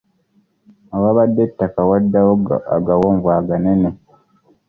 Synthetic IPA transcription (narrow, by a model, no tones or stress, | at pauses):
awaβadːetːakawadːawoɡ̰a̰ɡawoːɱvwaːɡanene